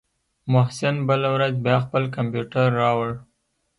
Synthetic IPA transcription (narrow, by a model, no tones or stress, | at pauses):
mʊhsɪnbəlawɾazbjɑxpəlkampjuʈaɾːɑwəɽ